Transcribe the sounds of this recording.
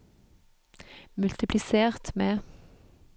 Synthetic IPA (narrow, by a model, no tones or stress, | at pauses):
mʉlt̪ɪpʰlɪseːʁt̪meː